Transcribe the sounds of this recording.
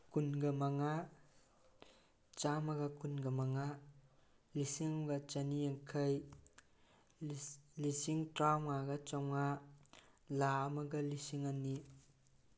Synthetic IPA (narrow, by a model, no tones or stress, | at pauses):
kunɡɐmaŋa | t͡ʃamɐɡɐkunɡɐmaŋa | lisiŋbat͡ʃaniaŋkʰɐj | lisiŋtɾawŋaɡɐt͡ʃɔŋa | lamɐɡɐlisiŋanːi